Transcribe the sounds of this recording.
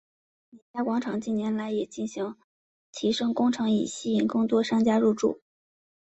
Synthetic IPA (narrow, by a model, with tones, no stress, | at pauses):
nɛ˧˩t͡ɕja˥kwɑ˧˥ŋʈ͡ʂʰɑ˨˩ŋt͡ɕi˥˩njɛ˧˥nla˧˥ɪjɛ˨˩t͡ɕi˥˩nɕi˧˥ŋ | t̪ʰi˧˥ʂɤ˥ŋkʊ˥ŋʈ͡ʂʰɤ˧˥ŋḭ˨˩ɕi˥˩i˧˥˩nkɤ˥˧ŋt̪wɔ˥ʂɑ˥ŋt͡ɕja˥ɻu˥˧ʈ͡ʂṵ˥˩